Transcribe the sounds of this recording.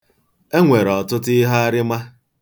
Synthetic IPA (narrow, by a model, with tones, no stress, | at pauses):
e˦ŋʷe˨ɾɔ˨tʊ˦tɪ˦ɦa˦a˦ɾɪ˦ma˦